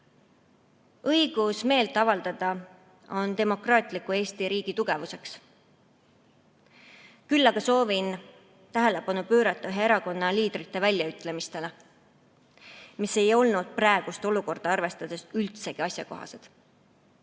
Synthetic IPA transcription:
ɤjɡ̥usme̞ːlt̪ːˑɑvɑld̪̥ɑd̪̥ɑ | o̞nt̪e̞mo̞krɑːt̪ˑlikːˑue̞ːst̪iɾiːɡ̥it̪uɡ̥e̞vuse̞ks | kylːɑɡ̥ɑso̞ːvin | t̪æɦe̞le̞pɑnupøːɾɑt̪ːˑɑɦeeɾɑko̞nːɑliːd̪ɾit̪ːˑe̞vælʲjɑyt̪ːˑle̞mist̪e̞le | mise̞jo̞lnud̪̥̚præeɡ̥ust̪o̞luko̞rd̪̥ɑɑrve̞st̪ɑd̪̥e̞sylt̪se̞ɡ̥iɑsjɑko̞ɦɑ̰se̞d̪̥

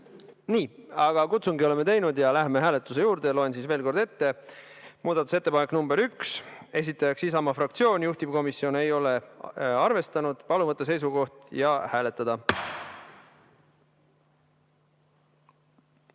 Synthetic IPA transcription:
niːɑɡ̥ɑkut̪suŋɡio̞le̞me̞t̪e̞jnud̪jɑlæɦme̞ɦæːle̞t̪ːˑus̬ejuːɾd̪e̞lo̞e̞nsiːsve̞ːlko̞rɾd̪̥e̞t̪ːe̞ | muːd̪ɑt̪ːˑu̥se̞t̪ːe̞pɑnekːnumbe̞ɾykse̞s̬it̪ːˑɑjɑksisɑmɑfrɑkt̪sio̞ːnʲjuht̪ivko̞misːio̞ne̞jo̞le̞ɑrve̞st̪ɑnud̪̥pɑlumɑt̪ːˑese̞jsuɡo̞ht̪jɑhæːle̞t̪ːˑɑd̪̥ɑ

